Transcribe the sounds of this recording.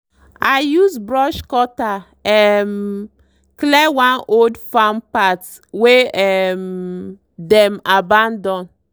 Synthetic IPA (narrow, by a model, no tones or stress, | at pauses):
ajuzbɹɔʃkɔta | ɛm | klɛwãnodfampat | weɛm | dɛmabãndɔ̃n